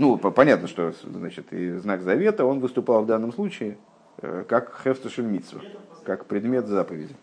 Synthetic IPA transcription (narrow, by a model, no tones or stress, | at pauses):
nuppɐnʲat̪nəʂt̪o̞znat͡ɕɪt̪ɪ̰znaɡzɐvʲe̞t̪əo̞nvɨst̪ʊpɑlˠvd̪anːəmslˠut͡ɕɪɪ | əkakxɛfst̪əʂɨlʲmʲit̪svə̰kakpɾʲɪd̪mʲe̞t̪zapəvʲɪdʲɪ